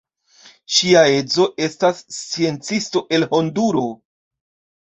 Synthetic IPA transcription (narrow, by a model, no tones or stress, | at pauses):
ʃiae̞d͡zo̞ʔe̞stast͡sie̞nt͡sisto̞ʔe̞lho̞nduɾo̞